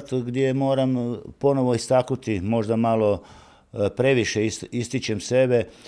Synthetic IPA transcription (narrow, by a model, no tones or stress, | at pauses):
t̪ɡd̪ʲje̞mo̞ːɾampo̞no̞ʋo̞ist̪aknut̪imo̞ʒd̪amalˠo̞ | pɾe̞ʋiʃeiist̪it͡ɕemse̞be